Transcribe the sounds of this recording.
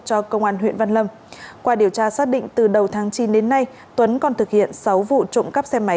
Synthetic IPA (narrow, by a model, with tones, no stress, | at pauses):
t͡ɕɔ˧kə˧wŋ͡mʔaː˧nɦwḭ˧˨ənva˧nlə˧m | kwaː˧ɗi˧˩əwt͡ɕaː˧saː˦˥k̚ɗḭ˧˨ŋ̟t̪ɨ˨˩ɗə˨˩wt̪ʰaː˨˦ŋt͡ɕi˨˦nɗe˨˦nːa˧j | t̪wə˨˦nkɔ˨˩nt̪ɨ˨˩k̚hḭ˧˨ənsa˨˦wvṵ˧˨t͡ɕʊ̰˧˨ŋ͡mkə˦˥p̚sɛ˧ma˨˦